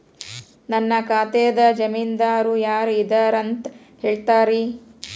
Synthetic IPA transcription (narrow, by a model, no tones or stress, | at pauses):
nɐnːɐkaːt̪eːd̪ɐd͡ʒɐmind̪aːɾujaːɾid̪ɐɾɐnt̪ | heːɭt̪aːɾi